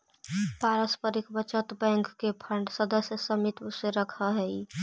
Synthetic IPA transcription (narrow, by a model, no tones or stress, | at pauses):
paɾəspəɾikbət͡ʃət̪bɛ̃ŋkːepʰəɳɖsəd̪əsjəsəmit̪useɾəkʰəɦɛi